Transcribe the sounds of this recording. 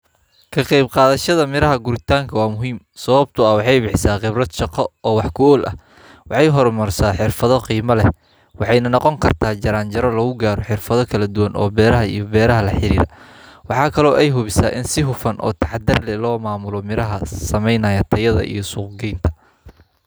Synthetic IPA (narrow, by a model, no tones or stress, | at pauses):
kʰɐqɑjbqɑːðɐʃɐðɐmɪɾɐɦɐɡʊɾɪt̪ʰaːŋkʰɐwɑːmʊɦiːm | sɐβɐb̚t̪ʰʊɐwɑħɑjbɪħsaːqɪbrɐd̪ʃɑqɔɔːwɑħkʰʊɔːlʔɐ̰h | wɑħɑjɦɔrmɐrsaːħɪrfɐðɔqiːmɐlɛ | wɑħɑjnɐnɔqɔŋkʰɐrt̪ʰaːt͡ʃɐɾaːnt͡ʃɐɾɐlɐɣʊɡaːɾɔħɪrfɐðɔkʰɐlɐd̪ʊwɐnɔ̰ːbɛːɾɐɦɐḭjɔbɛːɾɐɦɐlɐħɪɾḭːɾɐ̰wɑħɑːkʰɐlɔːʔɛjɦʊβɪsa̰ːʔɪnsɪɦʊfɐnʔɔ̰ːt̪ʰɑħd̪ɐrlɛlɔːmaːmʊlɔmɪɾɐɦɐsɐmɛjnɐːjɐt̪ʰɐjɐðɐ̰ʔḭjɔsuːqɡɛjnt̪ʰɐ̥